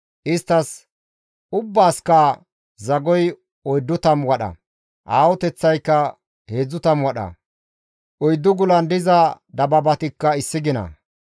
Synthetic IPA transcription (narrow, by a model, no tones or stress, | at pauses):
ʔɪst̪ːɐs | ʊbːaːskɐ | zɐɡɔj | ɔjd̪ːʊt̪ɐmwɐɗɐ̰ | ʔaːwɔt̪ɛt͡sːɐjkːɐ | heːd͡zːʊt̪ɐmwɔɗɐ̰ | ʔɔjd̪ːʊɡʊlɐnd̪ɪzɐd̪ɐbɐbɐt̪ɪkːɐɪsːɪɡɪnɐ̰